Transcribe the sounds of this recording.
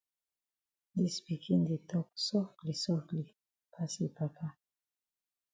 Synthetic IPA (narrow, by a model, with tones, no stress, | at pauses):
di˦spi˨kʰi˦nd̪i˨t̪ɔ˦k̚sɔ˦kli˨sɔ˦kli˨ | pʰa˦si˨pa˨ka˦